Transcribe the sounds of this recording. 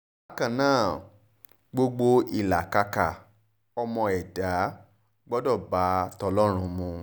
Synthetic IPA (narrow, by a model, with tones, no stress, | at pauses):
a˦kã˨nãː˦˨ | ɡ͡bo˧ɡ͡bo˧i˨la˨ka˧ka˨ | ɔ˧mɔ̃˧ɛ˨da˨˦ | ɡ͡bɔ˦dɔ˦˨ba˨˦tɔ˧lɔ˦ɾ̃ũ˧mũ˧